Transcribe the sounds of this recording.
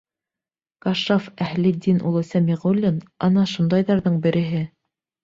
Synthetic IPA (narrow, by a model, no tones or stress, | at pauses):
kɑʃofæhlɘd̪ʲinʔṵlˠɤ̆sʲæmiʁulʲːinɑnɑʃund̪ɑjðɑɾðɤɴbɘ̆ɾʔɘ̆ɦɘ